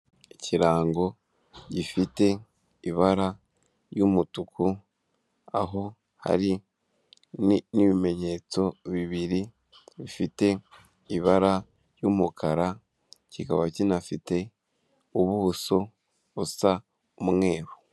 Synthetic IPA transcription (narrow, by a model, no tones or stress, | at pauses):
eciɾaːŋɡo̞ | ɟifite̞ | iβaɾa | jumutukʰu | a̰ɦo̞ | ha̰ɾi | niβime̞ɲe̞t͡so̞βiβiɾi | βifite̞ | iβaɾa | jumukʰaɾa | cikaβacinafite̞ | uβuuso̞ | βusa | umŋe̞ːɾo